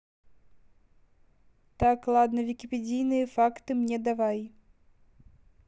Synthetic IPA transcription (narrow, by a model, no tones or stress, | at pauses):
t̪aklˠad̪nɐvʲikʲipʲɛd͡zʲijnɨjɐfakt̪ɨmnʲɛd̪avaj